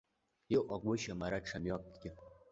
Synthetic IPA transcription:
iʔʷaɡʷʊʃamaɾaʈ͡ʂʰamjak̚ʼɡʲɪ

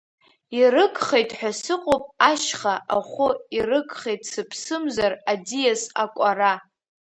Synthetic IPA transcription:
irɨkʼχejtʼħʷᶣasɨqʼopʼaʃχaʔaχʷʊirɨkʼχejtʼsɨpʰsɨmzaradijasakʷʼara

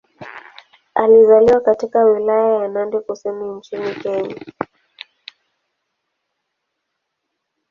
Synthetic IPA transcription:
alizaliwakatikawilajajanandɛkusɛmuɲt͡ʃinikɛɲa

